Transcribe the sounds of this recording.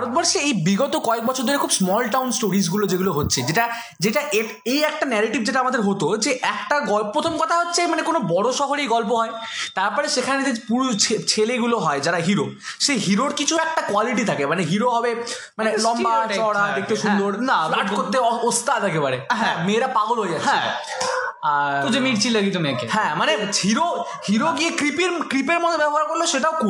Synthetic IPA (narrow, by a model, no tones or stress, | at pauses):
bʱaɾot̪̚bɔɾʃeejbiɡɔt̪okɔek̚bɔt͡ɕʰoɾd̪ʱoɾekʰubsmɔlʈawnsʈoɾis̬ɡulod͡ʑeɡuloɦotːɕʰed͡ʑeʈa | d͡ʑeʈaʔe | ejɛk̚ʈanɛɾeʈibd͡ʑeʈ̬aamad̪eɾɦot̪od͡ʑeʔɛkʈaɡɔlpːɾot̪ʰomkɔt̪ʰaɦotːɕʰemanekonobɔɽoʃɔɦoɾejɡɔlp̬oɦɔet̪aɾpɔɾeʃekʰaned͡ʑepuɾut͡ɕʰet͡ɕʰeleɡuloɦɔed͡ʑaɾaɦiɾoʃeɦiɾoʈkit͡ɕʰuɛk̚ʈakoaliʈ̬it̪ʰakemaneɦiɾoɦɔbe | manelɔmbaʃɔɽad̪ek̚ʰt̪eʃund̪oɾnalaʈkkoɾt̪ːeost̪ad̪ɛkebaɾeɦameːɾapaɡolɦojatːɦʰ | ad͡ʑemiɾt͡ɕʰilaɡit̪umiakehɛ̃manehiɾo | hiɾoɡiekɾipeɾkɾipeɾmod̪ʰʱobɛboɦaɾkoɾloʃeʈaoku